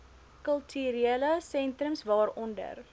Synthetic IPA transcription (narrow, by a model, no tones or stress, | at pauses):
kəlˠtʰyːɾieːləsɛntrəmsvɑːɾɔndə̰r